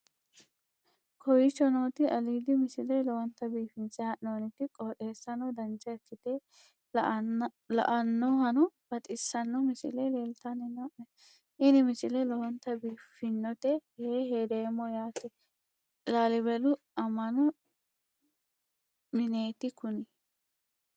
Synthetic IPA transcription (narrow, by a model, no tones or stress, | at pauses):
kʰɔjɪt͡ʃːɔnoːt̪ɪɐliːd̪ɪmɪsɪlɛlɔwɐnt̪ːɐbiːfɪnsɪɐʔnoːnɪt̪ɪkʼoːt̪eːsːɐnɔd̪ɐnt͡ʃːɐɛkːɪt̪ɛ | lɐ̰ʔɐnːɔɦɐnʊb̥ɐt̪ʼɪsːɐnːɔmɪsɪ̰lɛleːlt̪ɐnɪnɔɛ | ʔɪnɪmɪsɪlɛlɔwɐnt̪ːɐbiːfːɪnːɔt̪ɛheːheːd̪eːmːɔjaːt̪ɛ | laːlɪbɛlʊ | ɐmɐnʊ | mɪneːt̪ɪkʊnɪ